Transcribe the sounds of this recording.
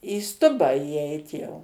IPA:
iː ˈstʊbɑː iːˈɛɪt jɛʊ

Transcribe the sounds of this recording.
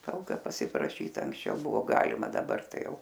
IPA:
ˈtɐlˠkɐ pɐsʲɪprɐˈʃʲiːt ɐŋksʲˈt͡ʃʲɛʊ ˈbʊʋoː ˈɡɑːlʲɪmɐ dɐˈbɐr ˈtɐɪ ˈjɛʊ

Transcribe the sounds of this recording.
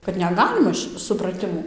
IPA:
kɐt nʲɛˈɡɑːlʲɪmɐ ʃʲɪ sʊprɐˈtʲɪmuː

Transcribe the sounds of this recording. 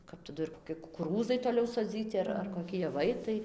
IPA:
kɐp tɐˈdʊ ɪr koːˈkʲɪ kʊkʊˈruːzɐɪ toːˈlʲɛʊ soːˈd͡zʲiːtʲɪ ɐr ɐr koːˈkʲɪ jɛˈʋɐɪ ˈtɐɪ

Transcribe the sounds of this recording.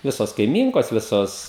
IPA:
ˈʋʲɪsoːs kɐɪˈmʲiːŋkoːs ˈʋʲɪsoːs

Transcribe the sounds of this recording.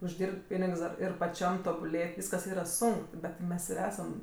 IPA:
ʊʒʲˈdʲiːrʲpʲtʲ ˈpʲiːnʲɪks dɐr ˈɪr pɐˈt͡ʃʲɛm toːbʊˈlʲeːtʲ ˈʋʲiːskɐs ˈiːrɐ ˈsʊŋk ˈbʲɛt ˈmʲɛs ɪr ˈæːsɐm

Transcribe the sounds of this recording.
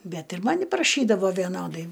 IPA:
ˈbʲɛt ɪr ˈmɑːnʲɪ prɐˈʃʲiːdɐʋoː ʋʲiɛˈnoːdɐɪ

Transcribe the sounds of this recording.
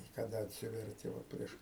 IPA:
ɪ kɐˈdɐ ɐtʲˈsʲɪʋʲɛrʲtʲɪ ˈʋɐ ˈpʲrʲiɛʃ

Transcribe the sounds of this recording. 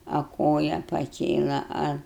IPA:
ɐ ˈkoːjɛ pɐˈkʲeːlˠɐ ˈɐ

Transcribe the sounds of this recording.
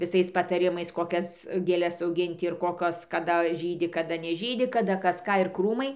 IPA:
ʋʲɪˈsɐɪs pɐtɐˈrʲɪmɐɪs koːˈkʲɛs ɡʲeːˈlʲɛs ɐʊˈɡʲɪnʲtʲɪ ɪr ˈkoːkʲoːs kɐˈdɐ ʒʲiːdʲɪ kɐˈdɐ nʲɛˈʒʲiːdʲɪ kɐˈdɐ ˈkɐs ˈkɑː ɪr ˈkruːmɐɪ

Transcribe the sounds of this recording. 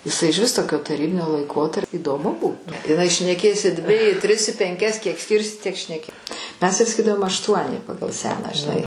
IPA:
ɪˈsɐɪ ɪʒʲˈʋʲɪs ˈtoːkʲoː tɐˈrʲiːbʲɪnʲoː lˠɐɪˈkoːtɐrʲpʲ iːdoːˈmʊ ˈbuːtʊ ɪˈnɐɪ ʃʲnʲɛˈkʲeːs ɪ dʲʋʲɪ ɪ tʲrʲɪs ɪ pʲɛŋʲˈkʲɛs kʲiɛk ˈsʲkʲiːrʲsʲɪ tʲiɛk ʃʲnʲɛˈkʲɪ ˈmʲɛs tɐɪ sɐˈkʲiːdɐʋoːm ɐʃˈtuɔnʲɪ ˈpɑːɡɐlˠ ˈsʲæːnɑː ʒʲɪˈnɐɪ

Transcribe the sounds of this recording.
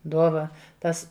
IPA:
ˈduɔʋɐ ˈtɐs

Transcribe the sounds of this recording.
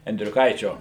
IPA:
ɛnʲdʲrʲʊˈkɐɪt͡ʃʲoː

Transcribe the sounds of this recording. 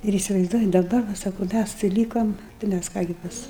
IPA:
ɪr iːsʲɪʋɐɪzˈduɔjɪ dɐˈbɐr ʋɐ ˈsɑːkʊ ˈmʲæs tɐɪ ˈlʲiːkɐm tɐɪ ˈmʲæs ˈkɑː ɡʲɪ ˈpɐs

